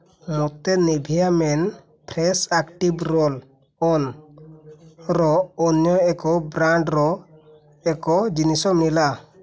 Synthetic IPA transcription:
mɔt̪ɛnɛbʱijamɛn | pʰɾɛsakʈibɾɔl | ɔn | ɾɔɔnjɔɛkɔbɾaɳɖɾɔ | ɛkɔd͡ʒinisɔmnila

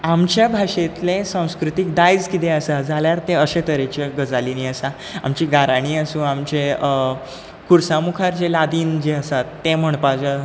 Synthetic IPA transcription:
amt͡ɕjabʱaʂet̪lesãw̃skɾut̪ik̚d̪ajd͡zkit̪eəsad͡zʱaljaɾt̪eəset̪əɾet͡ɕeɡəd͡zaliniːəsa | amt͡ɕiːɡaɾaɽ̃iːəsũːamt͡ɕe | kuɾsamukʰaɾd͡ʑelad̪iːnd͡ʑeəsat̪ːẽm̤əɳpad͡zə

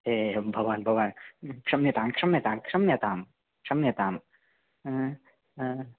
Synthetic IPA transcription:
ebʱɐʋaːnbʱɐʋaːnkʂɐmjɐt̪aːmkʂɐmjɐt̪aːmkʂɐmjɐt̪aːm | kʂɐmjɐt̪aːm

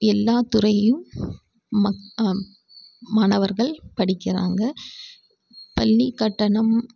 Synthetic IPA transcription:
ɛlːaːt̪ʊɾɐjɯmː | maːɳɐʋɐɾɣɐɭpɐɽɪkːɪra̰ːŋɡɐ | pɐlːikːɐʈːɐɳɐm

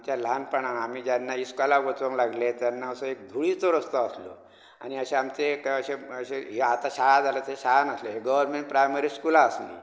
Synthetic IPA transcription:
t͡ɕjalanpəɳ̃aam̤iːd͡ʑjanːaiskalaʋot͡sʋəŋlaɡlet̪janːaəsəek̚d̪ʱuɭit͡soɾəst̪əːslo̰ | a̰niəɕeamt͡sekəɕeəɕeɦat̪aɕajad͡zalət̪eɕaɦanəsleɦeɡəʋəɾmẽɳʈ̚pɾajməɾiːskulaːslḭ

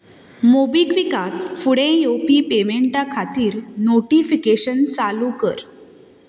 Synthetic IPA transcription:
mobiɡʋikat̪fuɽẽjopipemeɳʈakʰat̪iːɾnoʈifikeɕənt͡salukəɾ

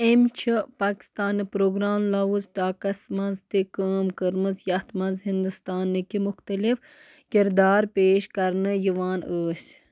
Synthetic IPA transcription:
emt͡ʃʰipaːki̥st̪aːnipɾoːɡɾaːmlɐwuzʈaːkɐsmɐnzt̪ikaːmkəɾmɨzjɐt̪mɐnzɦind̪ust̪aːnːɨkimʊxt̪ɐlif | kiɾd̪aːɾpeːʃkɐɾnɨjiʋaːnəːsʲ

